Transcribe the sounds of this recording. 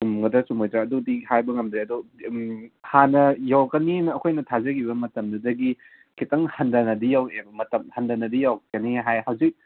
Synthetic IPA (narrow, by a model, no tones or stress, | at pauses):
sumɡɐdaɐsumojtɾaɐdudihajbɐŋɐmd̪ɾeɐdu | hanɐjawkɐninɐːkʰojnɐtʰazɐɡibɐmɐtɐmdɐdɐɡi | kʰitɐŋhɐndɐnɐdijawebɐmɐtɐmhɐndɐnɐdijawkɐniɦajhawzik̚